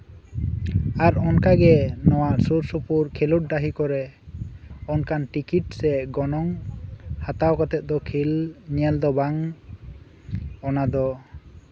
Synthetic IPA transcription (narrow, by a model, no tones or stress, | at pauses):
aɾɔnkaɡɛnɔwaʔsuɾsupuɾkʰeluʈ̚ɖaɦikɔɾɛ | ɔnkanʈikiʈ̚sɛɡɔnɔŋhat̪awkɔt̪ɛt̪̚d̪ɔkʰilɲɛld̪ɔbaŋ | ɔnad̪ɔ